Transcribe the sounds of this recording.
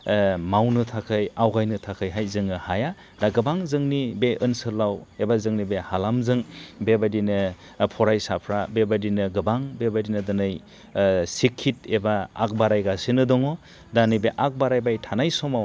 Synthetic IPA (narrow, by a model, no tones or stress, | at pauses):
mawnɯtʰakʰɯjawɡajnɯtʰakʰɯjɦajzɯŋɯhaja | daɡɯbaŋzɯŋnibeʔɯnsɯɾlawebazɯŋnibehalamzɯŋbebadinɯ | pʰɔɾajsapʰɾabebadinɯɡɯbaŋbebadinɯdɯnɯj | sikʰːit̚eba̰ːk̚baɾajɡasinɯdɔŋɔ | danɯbeʔak̚baɾajbajtʰanajsɔmaw